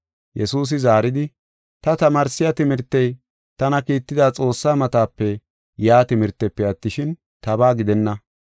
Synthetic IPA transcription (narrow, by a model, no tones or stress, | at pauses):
jɛsuːs̬ɪzaːɾɪd̪ɪ | t̪ɐt̪ɐmaːɾsːɪjɐt̪ɪmɪɾt̪ːɛj | t̪ɐnɐkiːt̪ːɪd̪aːt͡sʼo̞ːsːaːmɐt̪aːpːɛ | jaːt̪ɪmɪɾt̪ːɛpːɛɐt̪ːɪʃɪn | t̪ɐbaːɡɪd̪ɛnːɐ